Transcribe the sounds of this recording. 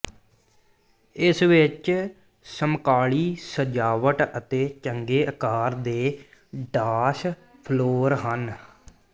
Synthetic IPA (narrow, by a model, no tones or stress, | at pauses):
ɪsʋɪt͡ʃ | səmkaːɭiːsəd͡ʒaːʋəʈət̪eːt͡ʃəŋɡeːʔəkaːɾd̪eː | ɖaːʃ | pʰloːɾɦən